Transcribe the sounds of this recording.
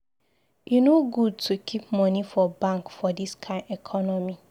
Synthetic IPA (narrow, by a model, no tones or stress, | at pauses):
junoɡud̚tʰukʰip̚mɔnifɔbãŋkfɔdiskʰãɪ̃ndɛkʰɔnɔmi